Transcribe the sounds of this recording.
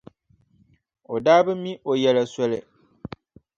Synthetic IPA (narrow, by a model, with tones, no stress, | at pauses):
o˨daː˦bɨ˦mi˦ʔo˨jɛ˨la˨sɔ˦lɪ̰˨